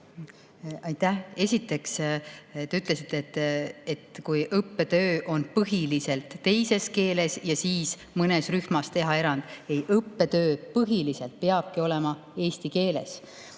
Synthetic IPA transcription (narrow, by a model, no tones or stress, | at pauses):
ɑjt̪æhe̞sʲit̪ːˑe̞kst̪ːeyt̪ːˑle̞sit̪ːˑeet̪ːˑet̪kujʔɤpːe̞t̪ø̞ːʔo̞npɤɦilise̞lt̪ːe̞jse̞ske̞ːle̞sjɑsiːs | mɤne̞sryhmɑst̪e̞ɦɑe̞ɾɑnd̪̥ejʔɤpːe̞t̪ø̞ːpɤɦilise̞lt̪̚peɑb̥̚kio̞le̞mɑ | e̞ːst̪ike̞ːle̞̰s